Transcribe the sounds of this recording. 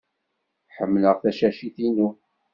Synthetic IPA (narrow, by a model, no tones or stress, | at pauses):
ħəmːləʁθæʃæʃiθinu